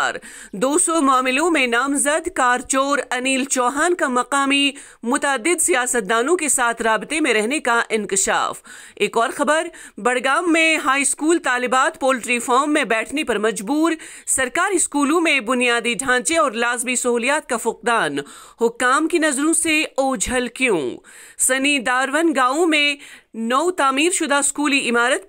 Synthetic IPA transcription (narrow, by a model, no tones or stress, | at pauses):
ɾd̪oːsɔmʊaːmɪlõmẽnaːmzɐd̪kaːɾt͡ʃoːɾɐniːlt͡ʃɔːɦaːnkamɐqaːmi | mʊt̪əːd̪ːɪd̪sijaːsət̪̚d̪aːnõkesaːt̪ʰɾaːbɪt̪emẽɾɛɦnekaʔɪnkɪʃa̰ːf | eːkɔːɾxɐbəɾ | bɐɽɡaːmːẽɦaːiskuːlt̪aːlɪbaːt̪poːlɪʈɾifɔːɾmːẽbɛːʈʰnepɐɾmɐd͡ʒbuːɾsɐɾkaːɾiskuːlõmẽbʊnijaːd̪iɖʱãːt͡ʃeɔːɾlaːzmisɐɦuːlijaːt̪̚kafʊq̚d̪aːnhʊkːaːmkinɐzɾõseoːd͡ʒʱɐlkjõ̰sɐniːd̪aːɾʋənɡaːõmẽnɔʊt̪aːmiːɾʃʊd̪ʱaɪskuːliɪmaːɾət̪̚